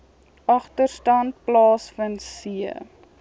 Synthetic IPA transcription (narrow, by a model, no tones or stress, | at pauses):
ɐχtərstɐnt̚plɑːsfənsiə̰